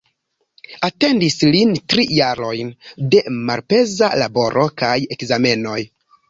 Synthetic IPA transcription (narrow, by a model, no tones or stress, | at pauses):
ate̞ndislintɾijaɾo̞jnde̞ma̰lpe̞zalabo̞ɾʔo̞kaje̞kzame̞no̞j